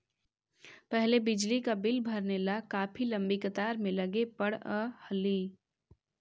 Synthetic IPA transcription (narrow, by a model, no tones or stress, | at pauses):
pɛɦlebɪd͡ʒlikabɪlbʱɐɾnelakaːpʰilɐ̃mbikət̪aːɾmẽlɐɡepɐɽəhəliː